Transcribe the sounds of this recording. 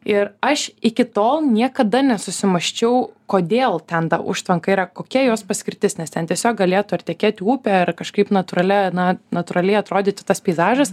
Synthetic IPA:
ɪrɐʃɪkʲɪt̪oːlˠnʲiɛkɐd̪ɐnʲɛsʊsʲɪmɐʃʲt͡ʃʲɛʊkoːd̪ʲeːlˠt̪ʲɛnt̪ɐʔʊ̰ʃt̪ʋɐŋkɐiːɾɐkoːkʲiɛjoːspɐsʲkʲɪɾʲt̪ʲɪsnʲɛst̪ʲɛnt̪ʲiɛsʲoːk̚ɡɐlʲeːt̪ʊɐtt̪ʲɛkʲeːt̪ʲɪuːpʲɛːɐrkɐʃkɐɪpnɐt̪ʊɾɐlʲɛnɐnɐt̪ʊɾɐlʲɛɪɐt̪ɾoːd̪ʲeːt̪ʲɪt̪ɐspʲɛɪzɑːʒɐs

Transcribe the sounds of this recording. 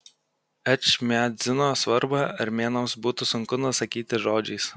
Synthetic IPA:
ɛt͡ʃmʲæːzʲɪnoːsʋɐɾbɐɐɾʲmʲeːnɐʊsbuːt̪ʊsʊŋkʊnʊɔsɐkʲiːt̪ʲɪʒoːd͡ʒʲɛɪs

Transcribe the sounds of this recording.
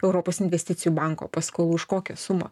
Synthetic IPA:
ɛʊɾoːpoːsɪnʲʋʲɛsʲt̪ʲɪt̪sʲɪjubɑˑŋko̰ːpɐskoːlˠuːɪʃkoːkʲɛsʊmo̰

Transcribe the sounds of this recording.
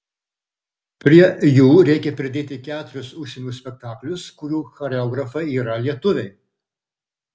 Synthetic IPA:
pʲɾʲiɛjuːɾʲɛɪkʲɛpʲɾʲɪd̪ʲeːt̪ʲɪkʲæːt̪ʊɾʲʊsʊʃʲsʲenʲuːsʲpʲɛk̚t̪ɑːklʲʊskʊɾʲuːxɐɾʲɛɔːɡɾɐfɐɪiːɾɐlʲiɛt̪ʊʋʲɛɪ

